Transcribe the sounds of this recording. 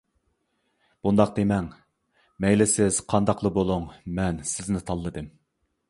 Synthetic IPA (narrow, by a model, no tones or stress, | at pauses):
b̥und̪ɑq̚d̪emɛŋ | mɛjlɪsɪz̥qʰɑnd̪ɑqlˠɨbolˠuŋmɛnsɪznɪt̪ʰɑlˠːɨd̪ɨm